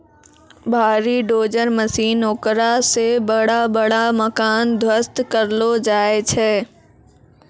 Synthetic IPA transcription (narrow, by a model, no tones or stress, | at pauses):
bʱaːɾiɖoːd͡ʑəɾmɐsiːnoːkɾasebɐɽ̤abɐɽamɐkaːnd̪ʱwəst̪kɐɾlod͡ʒaːet͡ʃʰɛː